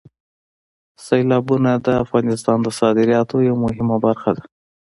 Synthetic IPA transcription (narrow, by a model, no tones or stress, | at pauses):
sajlɑbunad̪əafɣɑnɪst̪ɑnd̪əsɑd̪ɪɾjɑt̪ojawmʊɦɪmabaɾxad̪a